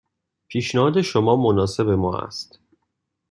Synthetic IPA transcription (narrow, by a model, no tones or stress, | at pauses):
pʰiːʃnehɒːd̪e̞ʃomɒːmonɒːse̞be̞mɒːæ̰st̪